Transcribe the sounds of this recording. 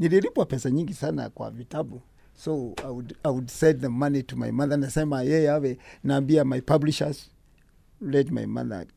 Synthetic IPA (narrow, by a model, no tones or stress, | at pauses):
niliɾipwapɛsaɲĩŋɡisana̰kwa̰vitabu | soawudajwudsɛdðɛmanituma̰jmaðanasɛmajɛjɛawɛnaːmbiamajpabliʃaz | lɛtma̰jma̰ða̰